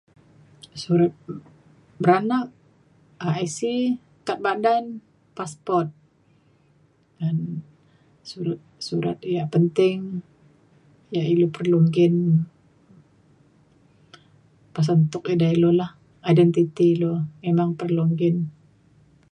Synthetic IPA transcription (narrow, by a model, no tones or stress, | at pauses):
suɾat̪̚ | bəɾanak̚ | aajsi | kat̪̚badan | paspɔrt̪̚ | ɡan | suɾat̪̚suɾa̰t̪̚jaʔpənt̪ɪŋ | jaʔilopərluŋɡɪn | pas̬ant̪ʊk̚idailolah | ajdɛnt̪it̪ilomemaŋpərluŋɡɪn